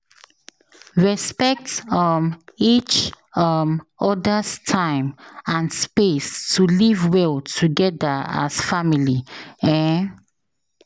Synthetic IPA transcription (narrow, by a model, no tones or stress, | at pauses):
ɹɛspɛk̚tʌmit͡ʃ | ʌmɔdəstʰãɪ̃mãnspestʰulivwɛlˠtʰuɡɛdəa̰sfamiliɛ̃